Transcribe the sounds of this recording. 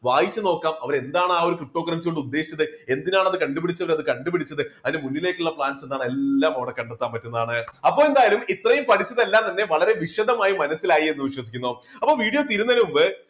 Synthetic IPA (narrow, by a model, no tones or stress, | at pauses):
ʋaːjit͡ɕːɨno̞ːkːaːmɐʋɐɾe̞nd̪aːɳɨaːo̞ɾukrip̚ʈːoːkːɐrɐnsɣoɳɖɨud̪ːeːʂi̥t͡ɕːɐðɨe̞nd̪inaːɳɐðɨkɐɳɖupiɽit͡ɕːɐʋɐɾɐðɨkɐɳɖupiɽit͡ɕːɐðɨɐðinemunːile̞ːkʲːuɭːɐpɭaːnse̞nd̪aːɳe̞lːaːmɐʋɐɽekɐɳɖɐt̪ːaːmpɐtːunːɐðaːɳɨɐpːo̞ːe̞nd̪aːjalumit̪rɐjumpɐʈʰit͡ɕːɐðe̞lːaːmt̪ɐnːe̞ʋɐɭɐɾe̞ʋiʂɐðɐmaːjimɐnɐsːilaːjie̞nːɨʋiɕwɐsi̥kʲːunːoɐpːo̞ːʋiːɽijo̞ːt̪iɾunːɐlumbɨ